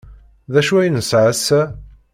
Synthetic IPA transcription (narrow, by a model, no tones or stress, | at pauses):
ðæʃuæjnəsʕəsæ